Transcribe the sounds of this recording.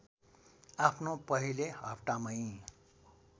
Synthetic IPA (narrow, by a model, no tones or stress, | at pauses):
apʰnopʌɦileɦʌpʰʈamʌĩ